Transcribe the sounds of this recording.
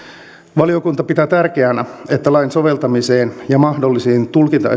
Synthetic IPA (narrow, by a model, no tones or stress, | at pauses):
ʋɑliokunt̪ɑpit̪æːt̪ærkeænæet̪ːælɑinso̞ʋelt̪ɑmiseːnjɑmɑhdolːisiːnt̪ulkint̪ɑ̰